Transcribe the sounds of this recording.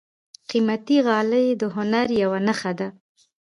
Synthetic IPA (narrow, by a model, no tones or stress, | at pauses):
qimat̪iɣɑləjd̪əɦʊnaɾjawanəxad̪a